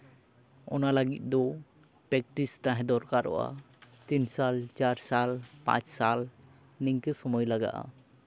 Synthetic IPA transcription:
ɔnalaɡit̪̚ˀd̪ɔ | pɾɛk̚ʈist̪ãɦɛ̃d̪ɔɾkaɾɔ̰ʔa̰ | t̪insalt͡ʃaɾsalpã̰t͡ʃsal | niŋkəsɔmɔjlaɡa̰ʔa̰

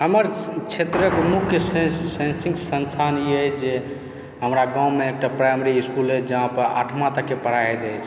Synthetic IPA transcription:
ɦəməɾt͡ʃʰet̪ɾəkmukʰːjəssẽnsiŋksə̃nsʰaniɦəjd͡ʒe | ɦəmɾaɡãwmeek̚ʈapɾajmeɾiiskulɦəd͡ʒəɦãpəɾa̰ʈʰmat̪akepəɾaɦɛt̪əjt͡ʃʰ

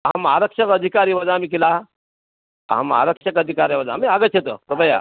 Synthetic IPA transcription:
ɦamaɾəkʂəkəd̪ʱikaɾiːʋəd͡zamiːk̬ila | a̰ma̰ɾəkʂəkəd̪ʱikaɾjaʋəd͡zaːmiaɡət̪ɕʰet̪ə̰pɾəbəja̰

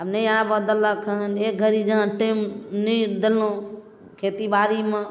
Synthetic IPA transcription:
əmnejãbəd̪əlːəkʰəɦənek̚ɡʱəɾid͡ʒəɦãʈimnid̪əlːõ | kʰet̪ibaɾime

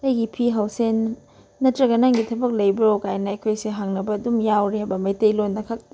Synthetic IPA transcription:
tɐjɡipʰiɦɐwsenː | ɐtɾɐɡɐnaŋɡitʰɐbɐk̚lɐjbiɾokajnɐɐjkʰojsiɦaŋnɐbɐːdumjawɾeɐbɐmɐjtɐjlonːɐkʰɐk̚ti

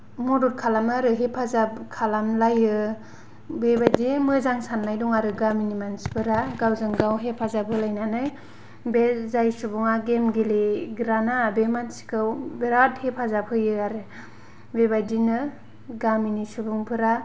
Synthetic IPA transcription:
mɔduɾkʰalamaɾɯɦepʰazakʰalamlajɯ | bebajdimɯzaŋsanːajdɔŋaɾɯɡaminimansi̥pʰɯɾaɡawzɯŋɡawɦepʰazabʰɯlajnanɯj | bezajsubuŋaɡemɡiliɡɾanaːbemansi̥kʰɯwbeɾathepʰazapʰɯjɯaɾɯ | bebajdinɯ | ɡaminisubuŋpʰɯɾa

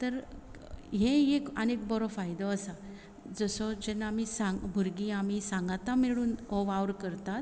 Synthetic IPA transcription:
t̪əɾ | ɦẽekənek̚bɔɾɔfajd̪ɔəsa | d͡zəsɔd͡ʑenːamisãŋɡbʱuɾɡiamisãŋɡat̪amiɭuːnɦɔʋawɾkəɾt̪at̪

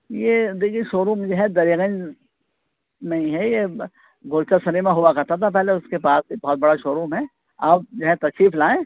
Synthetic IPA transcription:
jed̪eːkʰieʃoːɾuːmd͡ʒoɦɛ̃d̪ɐɾiɣə̃n | mẽĩɦɛje | ɡʊːɾt͡ʃasɐnimẽɦʊʋakɐɾt̪at̪ʰap̬ɛɦleʊskepaːsbibɔɦɔt̪̚bɐɽaʃoːɾuːmɦɛ | aːp̚d͡ʒɐɦɛ̃t̪ɐʃiːflaːẽː

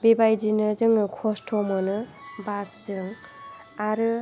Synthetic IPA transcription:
bebajd͡ʒinɯzɯŋɯkʰɔstʰɔmɔnɯ | basɯŋ | aɾɯ

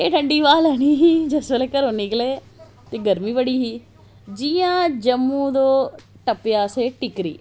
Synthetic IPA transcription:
eːʈʰəɳɖiːʋaːlɛːniːɦiːd͡ʒəsʋəleːkəɾoːnikleː | t̪eːɡəɾmiːʋəɽiːɦiː | d͡ʒijãːd͡ʒəmːũːd̪oː | ʈəpjaːseːʈɪkɾḭː

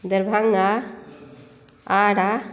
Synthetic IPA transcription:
d̪əɾbʱaŋa | aːɽa

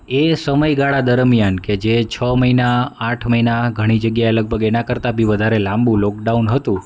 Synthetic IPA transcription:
esəməjɡaɭad̪əɾmjanked͡ʒet͡ʃʰəməɦinaaʈʰməɦinaɡʱəɽ̃id͡ʒəɡjaeləɡ̚bʱəɡenakəɾt̪abʱiʋəd̪ʱaɾelãmbũlɔk̚ɖaunɦət̪ũ

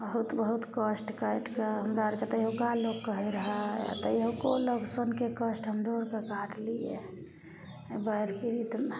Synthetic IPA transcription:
bəɦut̪bəɦut̪kəsʈkəjʈkeɦəmd̪aɾket̪əjɦukalokːəɦiɾəɦə̰t̪əjɦukoləksənkekəsʈɦəmd̪oɾkekaʈʰlijḛ | bəɦiɾpiɾit̪m

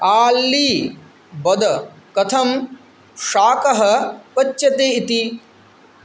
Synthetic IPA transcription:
aːlːiː | bɐd̪ɐ | kɐt̪ʰɐm | ʂaːkɐɦɐpɐt͡ʃːjɐt̪eːit̪i

